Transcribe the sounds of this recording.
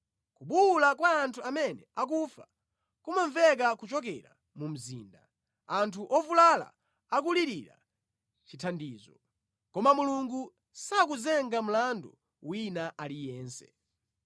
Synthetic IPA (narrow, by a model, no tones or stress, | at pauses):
kuɓulakwaːntʰuamɛnɛak̬ufa | kumaɱvɛk̬akut͡ʃɔk̬ɛɾa̰ | mum̩zḭːnda | antʰuʔɔvulala̰ | ak̬uliɾiɾa̰ | t͡ʃitʰandiːzɔ | kɔmamuluŋɡu | sak̬uzɛŋɡam̩landu | winaʔalijɛːnsɛ̰